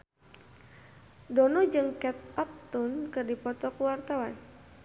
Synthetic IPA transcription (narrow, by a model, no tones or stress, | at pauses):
dɔnɔd͡ʒɨŋkɛt̪̚ɔp̚t̪unkɨrdipɔt̪ɔkuwart̪awan